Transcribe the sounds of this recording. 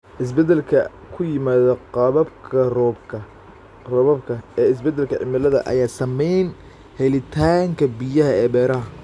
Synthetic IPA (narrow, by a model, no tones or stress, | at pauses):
ʔɪs̬bɛd̪ɛlkʰɐ | kʰʊjɪmaːðɐqɑβɐbkʰɐrbkʰɐ | rɔβɐbkʰɐɛːɪs̬bɛd̪ɛlkʰɐʕɪ̰mɪlɐðɐ̰ʔɐ̰jaːsɐmɛjn | hɛlɪt̪ʰaːŋkʰɐbɪjɐɦɐɛːbɛːɾɐɦɐ